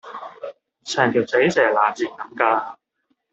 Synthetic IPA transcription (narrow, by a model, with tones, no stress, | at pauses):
sʰɛː˨˩ŋt̪ʰi˨˩wt͡se˨˥jsɛː˨˩laː˨˩t͡siː˨˩kɐ˨˥˦mkaː˧˨